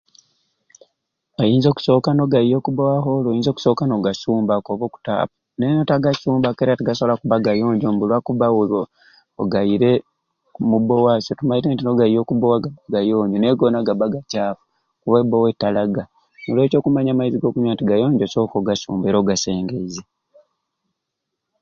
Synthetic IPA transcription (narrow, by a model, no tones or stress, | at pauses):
ojiːnzo̞ku̥so̞ːkano̞ɡaijo̞ːkubowaɦolojiːnzo̞ːku̥so̞ːkano̞ɡasuːmbakoβoku̥ta̰ːpu | nenotaɡasuːmbake̞ːɾatiɡasoakuβaɡajo̞ːɲɟombulwakuβawuloː | ɡaiɾe̞ | kmubowasotumajiɾeːntino̞ɡaijo̞ːkubowaɡaaɡajoːɲɟoneɡonaɡabaɡacaːfu | kuβebowetːalaɡa | nolweːco̞ːkumaɲamaiziɡo̞ːkuɲwatiɡajo̞ːɲɟoso̞ːkoɡasṵːmbeːɾoɡase̞ːŋɡe̞ize